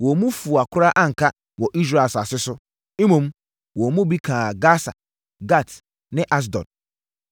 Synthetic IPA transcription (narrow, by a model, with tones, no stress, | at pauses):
wɔ˨mũ˦fu˨a˨kʰʊ˦ɾa˦ʔa˦ŋ̩˨kʰa˦ | wɔ˨ʔi˦s̬ɾa˨sa˨sɪ˦sʊ˦ | mũ˨m | wɔ˨mũ˦bi˦kʰã˨ɡa˦sa̰˨ | ɡa˦˨t | nɪ̃˦ʔa˦s̬dɔ̰̃˨n